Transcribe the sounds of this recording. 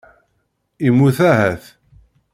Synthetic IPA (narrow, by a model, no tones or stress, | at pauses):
imːuθæhæθ